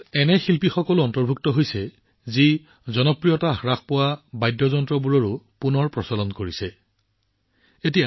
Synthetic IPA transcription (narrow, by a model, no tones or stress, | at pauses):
ɛnɛxilpixɔkɔlʊɔntɔɹbʱuk̚tɔɦojsɛ | zi | zɔnɔpɹijɔtaɹaxpɔwabajdːɔzɔntɹɔbuɹɔɹupunɔɹpɹɔsalɔnkoɹisɛ | etija